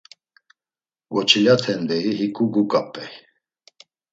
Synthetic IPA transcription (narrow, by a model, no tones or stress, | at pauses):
vɔt͡ʃʰilat̪ʰɛnd̪ɛiɦikʼuɡukʼapʼɛj